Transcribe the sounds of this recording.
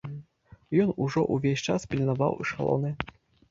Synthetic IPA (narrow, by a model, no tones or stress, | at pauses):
jɔnuʐɔʔuvʲeɕʲt͡ʂaspʲlʲinavɑ̰wiʂalˠɔ̰nɨ